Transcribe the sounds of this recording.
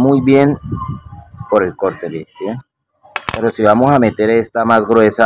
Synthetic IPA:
mujβje̞n | po̞ɾe̞lkoɾt̪eβite | peɾosiβamosame̞t̪e̞ɾest̪amazɣɾwe̞sa

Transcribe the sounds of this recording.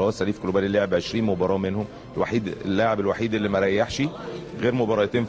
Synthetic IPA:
ɑːt̪sæliːfkolobæːlilːeʕebʕeʃɾiːnmobɑɾˤɑːmenhom | elwa̰ħiːd̪elːaʕebelwaħiːd̪ʔelːimæɾˤæjːaħʃiɣeːɾmobɑɾˤɑt̪eːn

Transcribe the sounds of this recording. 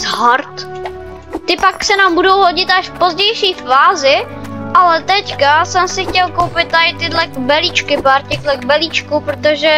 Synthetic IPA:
zɦaɾt̪ | t̪ɪpaksɛnaːmbudo̞wɦoɟɪt̪ʔaʃfpo̞zɟɛjʃiːfaːzɪ | ʔalɛt̪ɛckasɛmsɪxcɛlkowpɪt̪̚ːaɪt̪ɪdlɛɡbɛliːt͡ʃkɪpaːɾcɛklɛɡ̚bɛliːt͡ʃkupɾot̪oʒɛ

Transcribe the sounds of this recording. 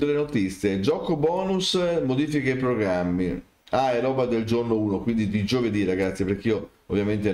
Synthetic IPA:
olenot̪it̪sːjed͡ʒɔkobɔːnusmod̪iːfikaipɾoɡɾamːi | ajɾɔːbad̪eld͡ʒornouːnokwind̪id̪id͡ʒoved̪iraɡat̪sːipeɾkeiːo | ovjament̪e

